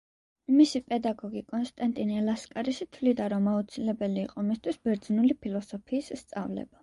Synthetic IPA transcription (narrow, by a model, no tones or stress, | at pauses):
misipʼɛd̪aɡɔɡikʼɔnst̪ʼant̪ʼiniɛlaskʼaɾiʃit̪ʰvlid̪aɾɔmaut̪sʰilɛbɛliːqʼɔmist̪ʰwisbɛɾd̪znulipʰilˠɔsɔpʰiːsːt̪sʼa̰vlɛ̰ba